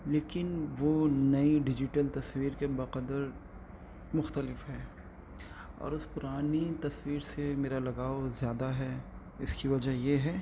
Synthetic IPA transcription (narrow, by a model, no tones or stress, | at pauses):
leːkɪnʋoːnɐiɖɪd͡ʒɪʈəlt̪ɐswiːɾkebɐqəd̪əɾ | mʊxt̪əlɪfɦɛː | ɔ̰ːɾʊspʊɾaːnit̪ɐswiːɾsemeːɾalɐɡaːozjaːd̪aɦɛ | ɪskiʋɐd͡ʒajeɦɛː